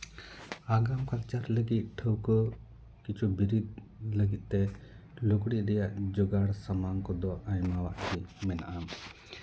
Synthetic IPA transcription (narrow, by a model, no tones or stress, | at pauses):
aɡamkak̚t͡ʃaɾləɡit̪̚ʈʰəwkɔ | kit͡ʃʰubiɾid̪̚ | ləɡit̪̚ˀt̪ɛ | lukɽiʔɾɛjaʔd͡ʒɔɡaɽsamaŋkɔd̪ɔʔajmawaʔhimɛna̰ʔam